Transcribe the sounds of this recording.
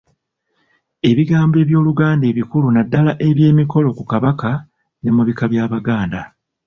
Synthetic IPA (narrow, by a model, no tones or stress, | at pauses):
e̞βiɡaːmbe̞βjo̞ːluɡaːnde̞ːβikulunadːalaʔe̞βje̞ːmiko̞lo̞kukaβaka | ne̞muβikaβjaːβaɡaːnda